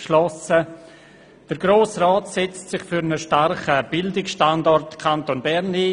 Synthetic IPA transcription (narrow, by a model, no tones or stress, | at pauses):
ʃlɔsə | d̥əɾɡɾoːsrɔːtsɛt͡stsɪχfyɾnəʃtaɾχəb̥ɪldɪksʃtandɔrtkʰantonbɛɾni